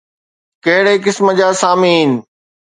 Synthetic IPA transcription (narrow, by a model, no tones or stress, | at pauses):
kɐɦɪɽek̬ɪsmə̆d͡ʑaːsaːmiːnɪ̆